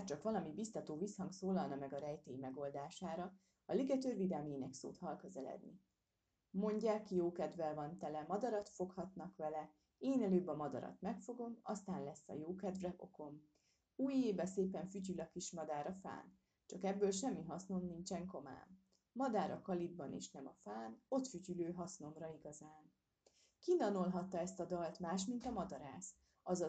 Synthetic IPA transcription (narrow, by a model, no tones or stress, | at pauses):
ɛt͡ʃɒkʋɒlɒmibist̪ɒt̪oːvishɒŋksoːlɒlnɒmɛɡɒɾɛjt̪eːimɛɡo̞ld̪aːʃaːɾɒ | ɒliɡɛt̪ørvid̪ɛlmeːnɛkso̰ːt̪hɒlkø̞zɛlɛ̰d̪nḭ | mo̞ɲɟaːkːijoːkɛd̪vɛlvɒnt̪ɛlɛmɒd̪ɒɾɒt̪fo̞khɒt̪nɒkʋɛlɛ | eːnɛløːbɒmɒd̪ɒ̰ɾɒ̰t̪mɛkfo̞ɡo̞mɒst̪aːnlɛsːɒ̰joːkɛd̪vrɛʔo̞̰ko̞m | uːjeːbɛseːpɛɱfyɟylɒkiʃmɒd̪aːɾɒfa̰ːn | t͡ʃɒkɛbːøːlʃɛmːiɦɒsnomnint͡ʃɛŋko̞ma̰ːnː | ɒd̪aːɾɒkɒlid̪̚bɒnḛːʃnɛmɒfaːno̞t̪fyɟyløːɦɒsno̞mrɒiɡɒzaːn | kinɒnolɦɒt̪ːɒɛst̪ɒd̪ɒlt̪maːʃmint̪ɒmɒd̪ɒɾaːs | ɒzɒ